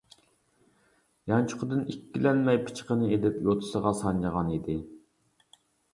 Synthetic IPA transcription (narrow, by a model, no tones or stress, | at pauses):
jɑnt͡ʃʰʊ̥qəd̪ɨnikʲːilɛnmɛjpʰɨ̥t͡ʃʰə̥qənɨed̪ɪpjot̪ʰɨ̥səʁɑsɑnjɑʁɑnid̪ɪ